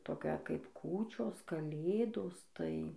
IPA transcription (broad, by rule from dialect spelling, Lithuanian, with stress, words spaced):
ˈtoːkʲɛ kɐɪp ˈkuːt͡ʃʲoːs kɐˈlʲeːdoːs tɐɪ